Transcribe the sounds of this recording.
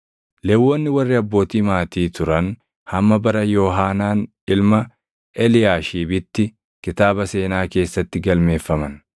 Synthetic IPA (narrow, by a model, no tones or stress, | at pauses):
lɛwːɔnːɪwɐrːɪɐbːo̞ːt̪iːmaːt̪iːt̪ʊɾɐn | hɐmːɐbɐɾɐjoːɦaːnaːn | ɪlmɐ | ɛlɪjaːʃiːbɪt̪ːɪ | kɪt̪aːbɐse̞ːnaːke̞ːsːɐt̪ːɪɡɐlme̞ːfːɐmɐn